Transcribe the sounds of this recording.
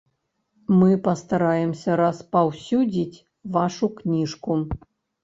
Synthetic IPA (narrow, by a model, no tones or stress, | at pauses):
mɨpɐst̪aɾajɛmsʲɐɾɐspawsʲud͡zʲit͡sʲ | vaʂuknʲiʂku